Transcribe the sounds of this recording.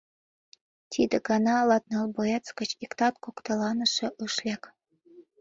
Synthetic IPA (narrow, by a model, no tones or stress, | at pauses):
t̪ʲʰid̪ə̆ɡɑnɑlɑt̪nɑlbojet͡skə̆t͡ɕikt̪ɑt̪̚kokt̪ɑlɑnə̆ʃɤ̆ʔɤʃlʲæk